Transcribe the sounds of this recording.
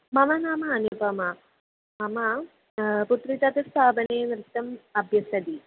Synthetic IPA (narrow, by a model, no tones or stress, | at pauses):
mɐmɐnaːmɐːnibɐmɐ | mɐmɐ | put̪ɾit̪ɐt̪ɐst̪ʰaːbɐneːnɾɪt̪ːɐmɐbʱjɐsɐd̪i